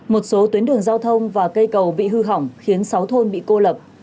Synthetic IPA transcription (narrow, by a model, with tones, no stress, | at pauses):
mo˨˩t̚so˨˦t̪wi˨˦ənɗɨ˨˩əŋzaː˧wt̪ʰə˧wŋ͡mvaː˨˩kə˧jkə˨˩wɓḭ˧˨ɦɨ˧ɦa˧˩wŋ͡mxi˨˦ənsa˨˦wt̪ʰo˧nɓḭ˧˨ko˧lə˨˩p̚